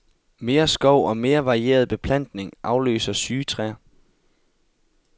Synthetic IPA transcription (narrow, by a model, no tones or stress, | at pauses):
me̝ːɐsɡ̥ɒʊ̰ɒ̽me̝ːɐʋɑ̈ʁie̝̰ːɐð̞̩ˠb̥e̝pʰlæn̰d̥ne̝ŋʔɑ̈ʊlø̰ːsɐsyːt͡sʰʁæ